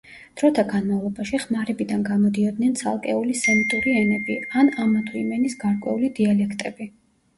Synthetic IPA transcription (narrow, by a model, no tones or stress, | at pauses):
d̪̥ɾɔt̪ʰaɡanmavlˠɔbaʃiχmaɾɛbid̪anɡamɔd̪iɔd̪̚nɛnt̪sʰa̰lˠkʼɛulisɛmit̪ʼuɾiɛnɛbianamat̪ʰuimɛnisɡaɾkʼwɛ̰ulid̪ialɛkʰt̪ʼɛbi